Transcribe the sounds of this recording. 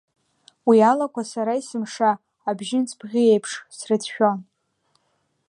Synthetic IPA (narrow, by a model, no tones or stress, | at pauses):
wialakʷasaɾaisɨmʂaː | bʒɪnt͡sʰbʁʲie̞jpʰʂsrɨtʰʃᶣon